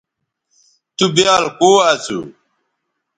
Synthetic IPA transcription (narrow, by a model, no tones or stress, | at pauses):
t̪ubjaːlkoːaːt͡sṵ